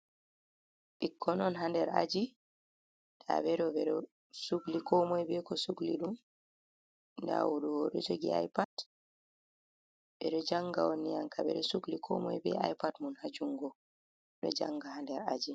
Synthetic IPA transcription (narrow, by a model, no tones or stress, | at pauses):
ʔikʰːɔnɔnɦandɛɾa̰d͡ʒi | ɗa̰bɛɾɔbɛɗɔ | suɡlikɔmɔjbɛkɔsuɡliɗum | nda̰wuɗuwɔɗɔ̰d͡ʒoɡḭa̰jpad | ɓɛɗɔd͡ʒaŋɡawonːijaŋkaɓɛ̰ɗɔsuɡlikʰɔmɔjbɛajpatmunhad͡ʒuŋɡɔ | ɗɔ̰d͡ʒa̰ŋɡahandɛɾad͡ʒi